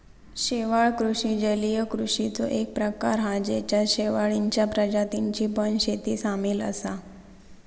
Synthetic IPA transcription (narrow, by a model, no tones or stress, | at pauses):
ɕeʋaɭkɾuʂĩd͡ʑəlijəkɾuʂit͡soʔek̚pɾəkaɾɦãd͡ʑet͡ɕjaɕeʋaɭiɲt͡ɕjapɾəd͡ʑat̪iɲt͡ɕiːpənɕet̪iːsamiːlə̰sa